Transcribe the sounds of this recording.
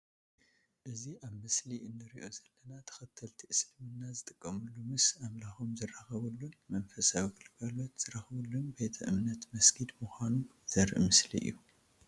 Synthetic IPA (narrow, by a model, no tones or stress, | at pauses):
ʔɨziʔaβmɨsliʔɨnːɨɾiʔo̞zɐlːɐnat̪ʰɐ̥xɐt̪ʰːɐlt̪ʰiʔɨslmɨnːazɨt̪ʼɨkʼːɐmɨlːumɨsamlaxomzɨraxɐβɨlːunmɐnfɐsawiɡɨlɡalo̞t̪z̥ɨɾɐxβɨlːunbe̞t̪ʰɐʔɨmnɐt̪mɐsɡid̪muxʷanu | z̥ɐɾʔmɨslḭʔɨ̰jːu